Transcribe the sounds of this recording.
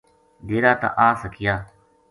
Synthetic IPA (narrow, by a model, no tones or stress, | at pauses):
ɡeːɾaːt̪ã̰ːʔaːsəkʰɪjaː